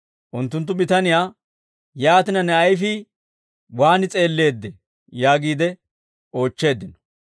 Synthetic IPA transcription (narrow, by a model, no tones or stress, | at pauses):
ʔʊnt̪ːʊnt̪̬ːʊbɪt̪ɐnɪjaː | jaːt̪ɪnɐnɛɐjfɪ | waːnɪt͡sʼe̞ːlːe̞ːd̪ːɛ | jaːɡiːd̪ɛ | o̞ːt͡ʃːe̞ːd̪ːɪnɔ̥